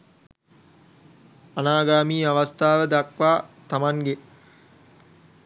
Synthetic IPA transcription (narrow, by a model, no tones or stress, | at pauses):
anaːɡaːmiːaʋast̪aːʋəd̪akʋaːt̪amaŋɡe